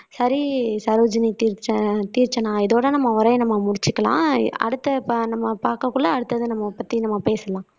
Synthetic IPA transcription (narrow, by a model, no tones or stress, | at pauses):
sɐɾisɐɾoːd͡ʒɐnit̪iːɾt͡ʃːɐt̪iːɾt͡ʃːɐnãːɪðoːɽɐnɐmːɐʊɾɐjnɐmːɐmʊɽɪt͡ʃːɯkːɐlã̰ːɐ̰ɽɯt̪ːɐpːnɐmːɐpaːɾkɐkːʊɭːɐːɽɯt̪ːɐðɯnɐmːɐpɐt̪ːinɐmːɐpeːsɐlãː